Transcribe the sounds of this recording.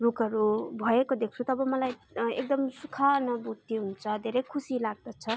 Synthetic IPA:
rukʌɾubʱʌekod̪ek̚ʰt͡sʰut̪ʌbʌmʌlaj | ekd̪ʌmsukʰanʌbut̪ːiɦunt͡sʰʌd̪ʱeɾʌjkʰusilaɡ̚d̪ʌt͡sʰʌ

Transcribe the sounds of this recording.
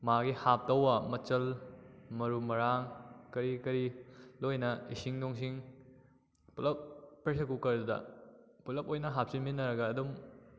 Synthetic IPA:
maɡihap̚tɐwɐmɐt͡ʃɐlmɐɾumɐɾaŋkɐɾikɐɾilojnɐisiŋdoŋsiŋ | pulɐp̚ːɾes̬ekukɐɾdɐdɐ̰ | pulɐp̚ojnɐɦap̚sinminːɐɾɐɡɐːdum

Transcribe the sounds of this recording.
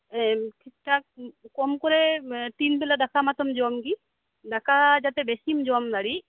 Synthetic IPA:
kʰiʈak̚kɔmkɔɹɛt̪inpɛladakʰamat̪ɔmd͡ʒamki | dakʰad͡ʒat̪ɛbesimd͡ʒuamd̪aɽi

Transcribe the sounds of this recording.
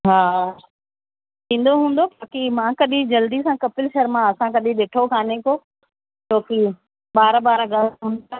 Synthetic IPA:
ɦaː | t̪ĩːn̆d̪oɦũːn̆d̪obaːkimãːkɐɗĩd͡ʑɐld̪isãkɐpɪlʃɐɾmãɐsãkɐɗĩɗeːʈʰokʰaːneko | t͡ɕoːki | ɓaːɾɓaːɾɡaːlɦʊ̃ːnd̪

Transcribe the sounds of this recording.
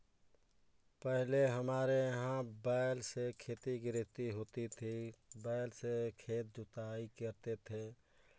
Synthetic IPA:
pəɦleɦəmaːɾejəɦãbaːlsekʰeːt̪iɡɾɪt̪iɦoːt̪it̪ʰibaːɪlsekʰeːt̪̚d͡ʒʊt̪aːikəɾt̪et̪ʰeː

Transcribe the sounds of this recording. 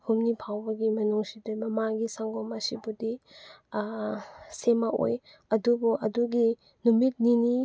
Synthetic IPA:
humnipʰawbɐɡimɐnuŋsidɐmɐmaɡisaŋɡomɐsibudi | semaʔo̰j | ɐdubuʔɐduɡi | numit̚nini

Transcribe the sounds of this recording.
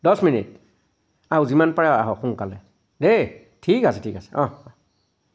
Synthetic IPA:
dɔsminḭt̚ | awzimanpaɹaa̰ɦɔxuŋkalɛ | de | tʰikasɛtʰikasɛ̥ɔ̃

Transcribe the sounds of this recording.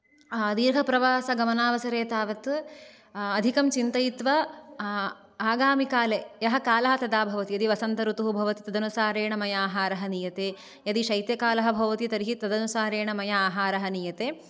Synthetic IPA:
d̪iːɾɦɐpɾɐʋaːsɐɡɐmɐnaːʋɐsɐɾeːt̪aːʋɐt̪ː | d̪ʱikɐmt͡ʃint̪ɐjit̪ʋɐ | aːɡaːmikaːleːjɐɦɐkaːlɐɦɐt̪ɐd̪aːbʱɐʋɐt̪ijɐd̪iʋɐsɐnt̪ɐɾut̪uɦubʱɐʋɐt̪it̪ɐd̪ɐnusaːɾeːɳɐmɐjɐaːɦaːɾɐɦɐnijɐt̪eː | jɐd̪iʃɐjt̪jɐkaːlɐɦɐbʱɐʋɐt̪it̪ɐɾiɦit̪ɐd̪ɐnusaːɾeːɳɐmɐjɐaːɦaːɾɐɦɐnijɐt̪eː

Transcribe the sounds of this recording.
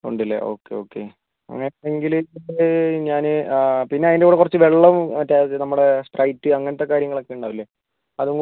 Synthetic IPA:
o̰ɳɖilːɐ̰ʔo̞̰ːkːeo̞ːkːe̞̰ | ɐ̰ŋːɐneŋɡil | ɲaːnɨpinːe̞ɐðindeuːɽekurɐt͡ɕːɨʋe̞ɭːɐmɐtːaːjðnɐmːuɽesprʔɐjtːɨɐŋːɐnɐt̪ːe̞kːaːɾjɐŋːɐɭokːeuɳɖaːʋilːɐ | ɐðuŋ

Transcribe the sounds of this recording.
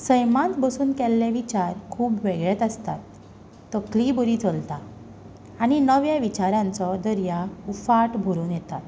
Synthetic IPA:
səjmãt̪bəsuːnkɛlːeʋit͡ɕaɾkʰuːbʋeɡɭet̪əst̪at̪ː | əklibəɾiːt͡səlt̪a | aɽ̃inəʋjaʋit͡ɕaɾãnt͡sɔd̪əɾjaufaʈbʱuɾuːnjɛt̪at̪

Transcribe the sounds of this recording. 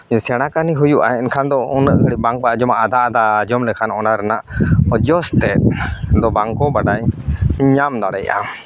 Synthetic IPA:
sɛɽ̃akaniɦujuʔa̰ɛɛnkʰand̪ɔunːəʔɡʱəɽibaŋk̚bad͡ʒɔmaʔad̪ʱaːd̪ad͡ʒɔmlɛkʰanɔnaɾɛnaʔɔd͡ʒɔst̪ɛʔd̪ɔbaŋkɔbaɖajɲamd̪aɽɛjʔa̰

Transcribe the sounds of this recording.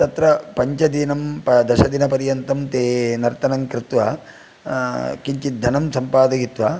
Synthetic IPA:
t̪ɐt̪ɾɐpɐɲt͡ʃɐd̪inɐmpɐd̪ɐʃɐd̪inɐpɐɾjɐnt̪ɐmt̪eːnɐɾt̪ɐnɐŋkɾɪt̪ʋaː | kiɲt͡ʃid̪ʱːɐnɐmsɐmpaːd̪ɐɡit̪ʋaː

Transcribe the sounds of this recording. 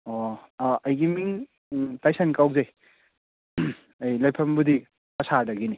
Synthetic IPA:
oɐjɡimiŋ | tajsankawzej | ajlɐjpʰɐmbudi | pɐsʰadɐɡini

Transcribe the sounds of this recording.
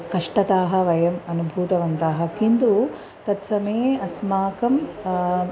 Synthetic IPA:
kɐʂʈɐt̪aːɦɐ̆ʋɐjɐmɐnubʱuːt̪ɐʋɐnt̪aːɦɐkind̪u | t̪ɐt̪sɐmeɐsmaːkɐm

